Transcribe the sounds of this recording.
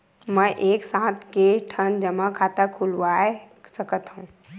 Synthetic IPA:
mə̃ʔeːksãːt̪ʰkeʈʰənd͡ʒəmakʰaːt̪akʰʊlʋaːe | səkət̪ɦũː

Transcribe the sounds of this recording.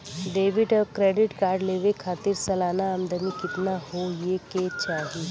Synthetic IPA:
ɖeːʋɪɖɔːkɾeːɖɪʈkaːɾɖleːʋekʰaːt̪ɪɾsɐlaːnaəmd̪əmikɪt̪naɦojeket͡ʃaːɦi

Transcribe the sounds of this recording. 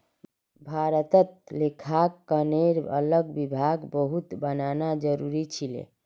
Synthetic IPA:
bʱaɾət̪ət̪̚lekʰakːəneɾə̰ləɡbibʱaɡbəɦut̪bənanad͡ʒəɾuɾit͡ʃʰilḛ̃

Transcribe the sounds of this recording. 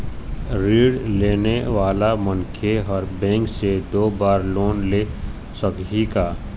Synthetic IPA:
ɾiːɖleːneʋaːlamənkʰeɦɔːɾbɛ̃ːŋksed̪oːbaːɾloːnleː | səkɦikaː

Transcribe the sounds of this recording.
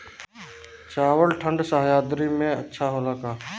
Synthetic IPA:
t͡ʃaːwəlʈʰə̃ɳɖsaɦjaːd̪ɾimẽɐtːʃʰaɦoːlaːkaː

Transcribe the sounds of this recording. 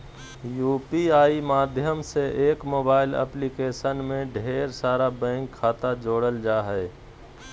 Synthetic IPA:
juːpiaːimaːd̪ʱjəmseʔeːkmoːbaːɪlə̰plikeːʃənmẽɖʱeːɾsaːɾabɛ̃ːŋkʰːaːt̪ad͡ʒoːɽəld͡ʒaːɦɛː

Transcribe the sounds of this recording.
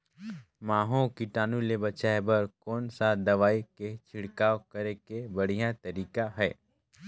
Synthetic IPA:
maːɦõkiʈaːnulebɐt͡ʃaːebɐɾkɔːnsad̪ɐʋaːiket͡ʃʰɪɽkaːʋkəɾekebɐɽ̤ijãt̪ɐɾiːkaɦɛː

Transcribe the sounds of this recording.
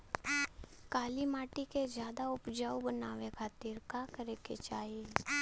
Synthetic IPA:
kaːlimaːʈiked͡ʒjaːd̪aʊpd͡ʒaubənaːʋekʰaːt̪iːɾkakəɾekḛt͡ʃaːɦie

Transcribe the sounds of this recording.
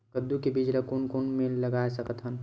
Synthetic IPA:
kəd̪ukebid͡ʒɾəkonkonmeləɡaesəkət̪ɦən

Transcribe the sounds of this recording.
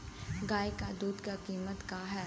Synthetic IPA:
ɡaːjkad̪uːd̪kakiːmət̪kaːɦɛː

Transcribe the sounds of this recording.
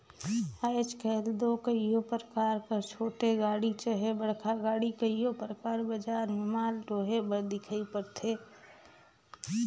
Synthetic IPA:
aɪt͡ʃkʰɛɦld̪okeijopɾəkaːɾkəɾt͡ʃʰoːʈeɡaːɽit͡ʃəɦebəɽ̤kʰaɡaːɽikəijopɾəkaːɾbəd͡ʒaɾmɪmaːlʈoɦebəɾd̪ɪkʰəipəɾt̪ʰeː

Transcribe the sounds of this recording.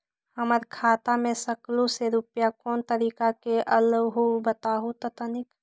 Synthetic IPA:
həməɾkʰaːt̪amẽsəkluseɾupjakɔːnt̪əɾiːkakeʔəlwɦobət̪aːɦot̪ɔt̪ənɪk

